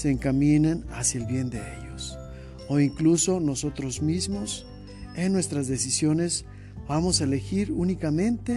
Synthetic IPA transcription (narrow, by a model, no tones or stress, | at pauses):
seːŋkamĩnana̰sjaelβje̞nd̪e̞ḛʎo̞s | o̞iŋkluso̞no̞so̞t̪ɾo̞zmizmo̞s | enːwe̞st̪ɾazðe̞sisjo̞ne̞z | bamo̞saele̞xiɾunikamẽ̞nt̪e